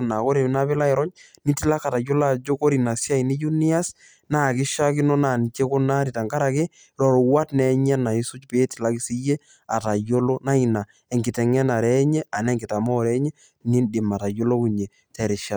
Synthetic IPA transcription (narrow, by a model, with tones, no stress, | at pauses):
na˨ko˦ɾe˨m˦na˦bɪ˦la˦ɪ˨ɾɔ˦ɲni˦tɪ˦la˦ka˨ta˨jo˦la˦˨d͡ʒo˦ko˦ɾi˨na˨si˦a˦i˨ni˦ju˦ni˦a˦s | na˦˨kɪ˦ʃa˦kɪ˦nɔ˦na˨ni˨t͡ʃe˦kʊ˦na˦ɾi˨ta˨ŋka˦ɾa˨kɪ˦ | ɾɔ˨ɾɔ˨wa˦tnɛ˦ɲɛ˦na˨i˦su˦t͡ʃpeː˦tɪ˨la˦kɪ˨si˦je˦ | a˨ta˨jo˦lo˦na˦i˨na˨ | ɛ˨ŋɡɪ˨tɛ˨ŋɛ˦na˨ɾɛ˦ɲɛ˦a˨nɛ˦ŋɡɪ˨ta˨mɔ˦˨ɾɛ˦ɲɛ˦ | ni˦ndɪ˨ma˨ta˨jo˦lo˦ku˨ɲe˨ | tɛ˨ɾɪ˨ʃa˨t